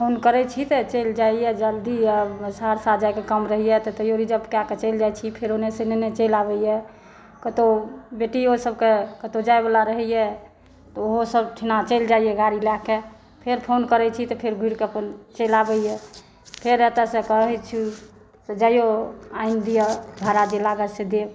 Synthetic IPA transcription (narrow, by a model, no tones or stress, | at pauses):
pʰonkəɾɛt͡ʃʰit̪ɔt͡ʃeld͡ʒaijɛd͡ʒəld̪iəbsaɾsad͡ʒajkekəmɾəɦijɛt̪ɔt̪əjoɾid͡ʒəbkjaket͡ʃəld͡ʒajt͡ʃʰipʰeɾonesenenet͡ʃelabɛjɛ | kət̪obeʈiosəb̚kekət̪od͡ʒaebalaɾəɦɛjɛ | t̪ɔoɦosəbʈʰinat͡ʃəɪld͡ʒaijɛɡaɾilakːe | pʰeɾpʰonkəɾɛt͡ʃʰit̪ɔpʰeɾɡʱuiɾkeəpənt͡ʃəlabɛijɛ | pʰeɾɛt̪əsẽkəɦət͡ʃʰu | t̪ed͡ʒajoaind̪ijəd̪ʱaɾad͡ʒelaɡəsed̪eb